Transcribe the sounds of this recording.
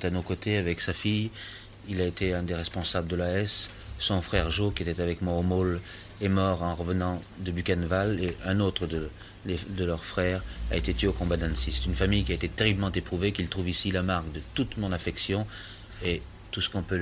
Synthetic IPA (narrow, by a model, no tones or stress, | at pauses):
t̪anokot̪eavɛksafij | ilaet̪eɛ̃d̪eʁɛspɔ̃sabləd̪əlaɛs | sɔ̃fχɛʁʒokʲiet̪ɛt̪avɛkmwaomol | ɛmɔʁɑ̃ʁəvənɑ̃ | d̪əbykanvaleʔɛ̃not̪χəd̪ə | led̪əlœʁfχɛʁa̰et̪et̪ɥeokɔ̃bad̪ãnsisɛ̥t̪ynfamijkʲiaet̪et̪eʁibləmɑ̃t̪epχuvekilt̪χuvisilamaʁkd̪ət̪ut̪mɔ̃nafɛksjɔ̃ | e | t̪usə̥kɔ̃pø